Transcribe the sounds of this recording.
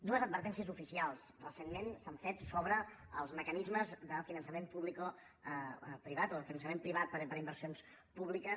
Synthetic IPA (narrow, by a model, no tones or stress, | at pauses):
d̪uəzəd̪̚bəɾt̪ɛnsiəzufisialˠs | rəsenmensəɱfet̪soβɾə | əlˠzməkənizməzðəfinənsəmempuβliko | pɾiβ̞at̪oðəfinənsəmempɾiβ̞at̪̚pəɾpəɾimbəɾsions | puβlikə